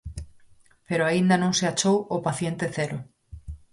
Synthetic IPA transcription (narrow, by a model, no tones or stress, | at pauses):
peɾoaind̪anõŋseat͡ʃowopaθjent̪eθeɾo